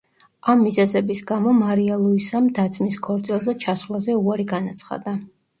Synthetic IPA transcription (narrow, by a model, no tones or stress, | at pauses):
amːizɛzɛbisɡamɔmaɾialˠuisamd̪at̪sʰmiskʰɔɾd̪zʼilˠzɛt͡ʃʰasvlˠazɛuaɾiɡanat̪sʰχa̰d̪a